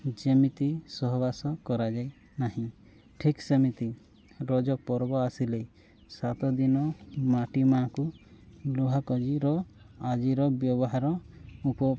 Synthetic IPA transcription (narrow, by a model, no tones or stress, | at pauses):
d͡ʒemit̪isɔɦbasɔkɔɾad͡ʒaj | naɦĩ | ʈʰiksɔmit̪i | ɾɔd͡ʒɔk̚pɔɾbɔasilej | sat̪ɔd̪inɔmaʈimakuluɦakɔd͡ʒiɾɔ | ad͡ʒiɾɔbjɔbɔɦaɾɔupɔ